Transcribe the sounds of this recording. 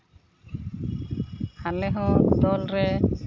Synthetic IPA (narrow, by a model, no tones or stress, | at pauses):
halɛɦɔ̃d̪ɔlɾɛ